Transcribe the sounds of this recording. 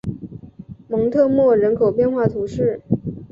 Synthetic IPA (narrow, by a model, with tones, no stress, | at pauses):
mɤ˧˥ŋt̪ʰɤ˥˧mwɔ˥˩ɻə˧˥nkʰo˨˩ʊpjɛ˥˧nxwa˥˩t̪ʰu˧˥ʂɻ̩˥˩